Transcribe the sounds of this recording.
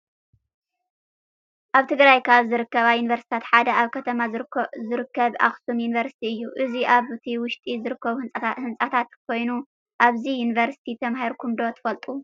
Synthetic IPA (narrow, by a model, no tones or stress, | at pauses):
ʔaβt̪ʰɨɡɾajkʰaβzɨɾɨkːɐβajunivɐɾst̪i̥t̪ʰat̪ħad̪ɐaβkʰɐt̪ʰɐmazɨɾɨkːɐβʔa̰xsumjunivɐɾsi̥t̪ʰiɨjːuʔɨziʔaβɨt̪ʰiwʊʃt̪ʼizɨɾɨkːɐβuhɨnsʼat̪ʰat̪kʰo̞jnu | ʔaβzijunivɐɾsi̥t̪ʰit̪ʰɐmahiɾkʰumd̪o̞t̪ʰɨ̥fɐlt̪ʼu